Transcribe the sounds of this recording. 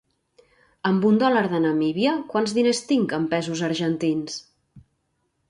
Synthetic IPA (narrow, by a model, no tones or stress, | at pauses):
əmbund̪ɔləɾðənəmiβiəkwanzðinest̪iŋkəmpɛzuzəɾʒənt̪ins